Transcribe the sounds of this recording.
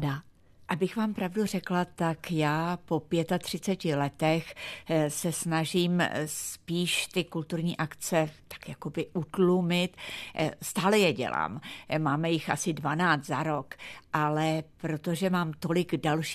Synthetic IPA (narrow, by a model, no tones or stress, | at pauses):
da | ʔabɪxvaːmpɾavdur̝ɛklat̪akjaːpo̞pjɛt̪at̪r̝̥ɪt͡sɛcɪlɛt̪ɛxsɛsnaʒiːmspiːʃt̪ɪkult̪uɾɲiːʔakt͡sɛt̪ḁkjako̞bɪʔut̪lumɪt̪st̪aːlɛjɛɟɛ̰la̰ːmmaːmɛjɪxʔasɪdvanaːt͡st̪zaɾo̞kʔalɛpɾo̞t̪o̞ʒɛmaːmt̪o̞lɪɡdalʃ